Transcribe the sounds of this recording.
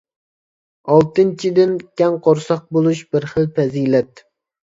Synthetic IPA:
ɑlˠt̪ɨnt͡ʃʰid̪ɪnkʲɛŋqʰoɾsɑq̚bolˠuʃbɪɾχəlpɛzilɛt̪̚

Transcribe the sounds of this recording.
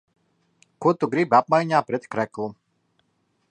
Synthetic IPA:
kot̪oɡɾibap̚majɲʲaːpɾɛt̪kɾɛklˠu

